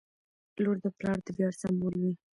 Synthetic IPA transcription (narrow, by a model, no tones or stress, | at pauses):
loɾd̪əplɑɾd̪əbjɑɾsambulwi